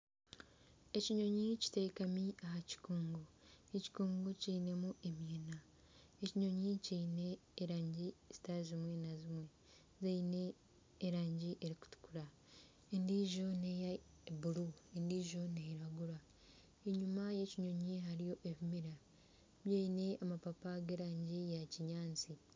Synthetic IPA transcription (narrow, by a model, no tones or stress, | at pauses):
e̞ciɲo̞ɲici̥tekamiahaci̥koːŋɡoeci̥koːŋɡociːne̞muʔemjeːna | eciɲo̞ɲicine̞ːɾaːɲɟiz̥i̥taizimwenazimwe̞ | zeineː | ɾaːɲɟiʔeɾiku̥tu̥kuɾa | endiʒo̞neja | buɾuendiːʒo̞neɾaɡuɾa | eɲumaje̞ciɲo̞ɲiɦaɾijo̞ʔeβimiɾa | βjejine̞amapapaɡeɾaːɲɟijaciɲaːnt͡si